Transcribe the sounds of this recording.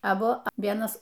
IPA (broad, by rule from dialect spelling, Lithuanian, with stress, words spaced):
ɐˈbʊ ˈʋʲiɛnɐs